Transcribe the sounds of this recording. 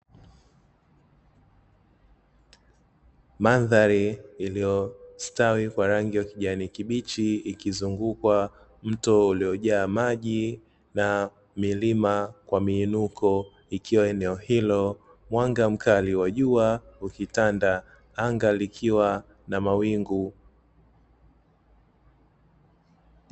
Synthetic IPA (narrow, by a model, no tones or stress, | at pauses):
maðaɾiːlijɔstawikwaɾaŋɡiwakiʄanikiɓit͡ʃiːkizuŋɡukwa | m̩tɔuliɔʄaːmaʄi | na | milimakwamiːnukʰɔ | ikʰiwaɛnɛɔhilɔ | mwaŋɡam̩kaliwaʄuaukitanda | aŋɡalikʰiwa | namawiŋɡu